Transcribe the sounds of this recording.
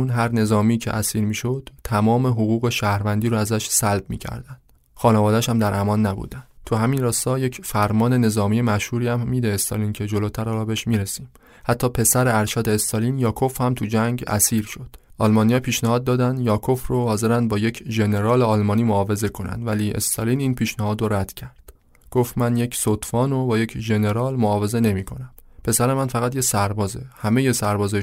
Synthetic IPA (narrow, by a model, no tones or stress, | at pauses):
unɦæɾne̞zɒːmiːcʰḛʔæsiːɾmiːʃod̪̥t̪ʰæmɒːme̞ɦoɣuːɣe̞ʃæhɾvænd̪iːɾoæzæʃsælbmḭcʰæ̰ɾd̪ænd̪̥ | xɒːnevɒːd̪æʃæmd̪æɾʔæmɒːnːæbṵd̪ænd̪t̪ʰuɦæminɾɒːst̪ɒːje̞cʰfæɾmɒːne̞ne̞zɒːmije̞mæʃhuːɾiːæmːiːd̪e̞ːst̪ɒ̰liːncʰe̞d͡ʒoloːt̪ʰæɾɒːɾɒːbeeʃmiːɾesiːm | hæt̪ʰːɒːpʰe̞sæɾeæɾʃæːd̪eːst̪ɒliːnjɒːkʰo̞fhæmt̪ʰud͡ʒæŋɟæ̰siːɾʃod̪̥ʔɒ̰lmɒnijɒːpʰiːʃnæhɒːd̪̚ːɒːd̪ænd̪jɒːkʰo̞frohɒːze̞ɾænd̪̚bɒːje̞cʰʒene̞ɾɒːleɒːlmɒːniːmoɒːve̞ze̞kʰo̞næ̰nd̪væliːʔḛst̪ʰɒliːniːnpʰiːʃnæhɒːd̪ɾoɾæd̪̥cʰæɾd̪̥ | ɡ̥oft̪mænje̞cʰsot̪fɒːnobɒːje̞cʰʒe̞ne̞ɾɒːlmoɒːve̞ze̞ne̞miːkʰo̞næmpʰe̞sæɾe̞mænfæɣæt̪jesæɾbɒːzehæme̞je̞sæɾbɒːze